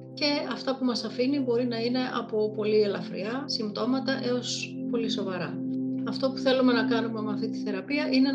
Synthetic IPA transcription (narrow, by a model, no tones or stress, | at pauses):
ce̞ɐft̪ɐpumɐsɐfinibo̞ɾinɐine̞ʔɐ̰po̞po̞lie̞lɐfɾḭɐsimt̪o̞mɐt̪ɐʔe̞o̞spo̞liso̞vɐɾɐɐft̪o̞pu̥θe̞lume̞nɐkɐnumemɐft̪it̪i̥θe̞ɾɐpiɐʔine̞